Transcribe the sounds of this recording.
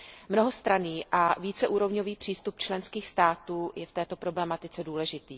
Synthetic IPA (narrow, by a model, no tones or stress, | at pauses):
mnoɦost̪ɾaniːʔaviːt͡sɛʔuːɾo̞vɲoviːpr̥iːst̪up̚t͡ʃlɛnskiːxst̪aːt̪uːjɛft̪ɛːt̪o̞pɾo̞blɛmat̪ɪt͡sɛduːlɛʒɪt̪iː